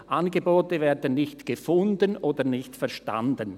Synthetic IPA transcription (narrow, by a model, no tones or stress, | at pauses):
ʔanɡəboːtəvɛːɐdənnɪçtɡ̥əfʊndənʔoːdənɪçtfɛɐʃta̰ndən